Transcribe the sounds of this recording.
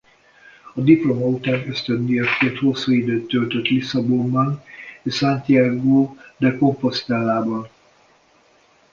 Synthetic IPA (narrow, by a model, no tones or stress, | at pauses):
ɒd̪iplo̞mɔut̪ɛnøst̪ønd̪ijɒkkert̪ho̞sːuːid̪øːt̪ːølt̪øt̪lisɒbombɒneʃsant̪iaɡoːd̪ɛko̞mpo̞st̪aːlːaːbɒn